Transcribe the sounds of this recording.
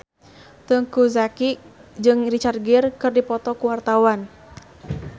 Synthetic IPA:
t̪əŋkuzakid͡ʒɨŋrit͡ʃarɡirkɨrdipɔt̪ɔkuwart̪awan

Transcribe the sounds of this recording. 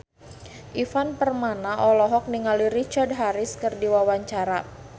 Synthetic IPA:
ʔifanpərmanaʔɔlɔɦɔk̚niŋaliɾit͡ʃard̚ɦaɾɪskɨrdiwawaɲt͡ʃaɾa

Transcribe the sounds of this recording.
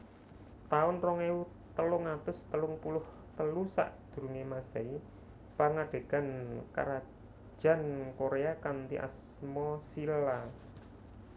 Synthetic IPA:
t̪aʊnrɔŋeu | t̪əlʊŋat̪ʊst̪əlʊŋpulʊh | t̪əlusa̰ʔd̪̥ṳɾuŋemasai | paŋaɖ̥e̤kanka̰ɾḁ | d͡ʒ̥a̤nkoɾeakant̪ḭʔa̰smɔsila

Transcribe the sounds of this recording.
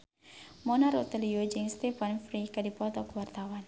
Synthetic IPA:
mɔnaɾɔt̪əliod͡ʒɨŋst̪ɛfanfɾikadipɔt̪ɔkuwart̪awan

